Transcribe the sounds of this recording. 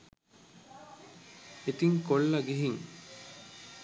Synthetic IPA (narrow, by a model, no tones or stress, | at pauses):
et̪iŋkolːɐɡiɦiŋ